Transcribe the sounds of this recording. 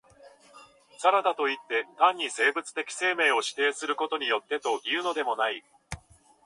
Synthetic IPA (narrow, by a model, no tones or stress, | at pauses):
saɾad̪at̪o̞it̪ːe̞t̪ãɲ̟ːise̞ːbɯ̟t͡sɨ̥t̪e̞kʲi̥se̞ːme̞ːo̞ɕi̥t̪e̞ːsɨɾɯ̟ko̞t̪o̞ɲ̟ijo̞t̪ːe̞t̪o̞iɯ̟no̞d̪e̞mo̞nai